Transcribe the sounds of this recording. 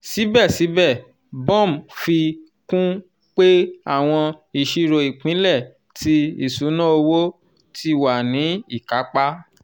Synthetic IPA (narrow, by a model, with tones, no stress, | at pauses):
si˨˦bɛ˦˨si˨˦bɛ˦˨ | bɔ̃˦˨m˨fi˧ | kũ˦ | k͡pe˦a̰˦˨w̃ɔ̃˧i˨ʃi˦ɾo˧i˨k͡pĩ˨˦lɛ˦˨ | ti˧ḭ˨su˨˦nã˦o˧wo˦ | ti˧wa˨nĩ˨˦i˦˨ka˨˦k͡pa˦